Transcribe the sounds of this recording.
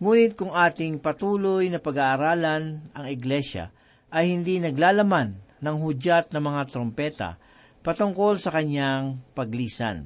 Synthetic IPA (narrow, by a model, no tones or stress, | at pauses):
ŋuːnɪt̪̚kʊŋʔaːt̪ɪŋpɐt̪uːlojnɐpɐɡaːʔːɾaːlanɐŋɪɡlɛʃa̰ | ʔɐjhɪnd̪inɐɡlaːlɐmanːɐŋɦʊd͡ʒat̪̚nɐmɐŋat̪ɾompɛːt̪a̰ | pɐt̪ʊŋko̞lsɐkɐɲjaŋpɐɡliːsa̰n